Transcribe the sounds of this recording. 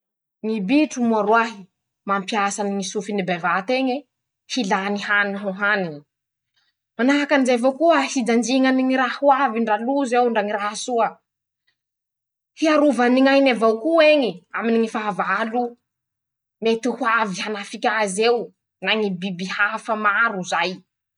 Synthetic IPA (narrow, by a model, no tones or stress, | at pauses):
ŋibiʈ͡ʂumuaɾuaɦi | mampiasaniŋisufinibevat̪eɲe | hilanihaniɦoɦanini̥ | manaɦakanizejvokuəhid͡zand͡ʒiŋaniŋiɾahuaviɳɖ͡ʐaluzewɳɖ͡ʐaŋiɾahsuə | hiaɾuvaniŋajnavawkueŋiaminiŋifavalu | met̪ihwavihanafikʲazeu | naŋibibihafəmaɾuzaj